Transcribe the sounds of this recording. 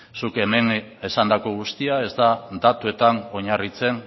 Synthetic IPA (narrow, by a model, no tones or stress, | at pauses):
suke̞me̞ne̞sand̪ako̞ɣ̞ust̪iae̞zd̪ad̪at̪ue̞t̪ano̞ɲarit͡se̞n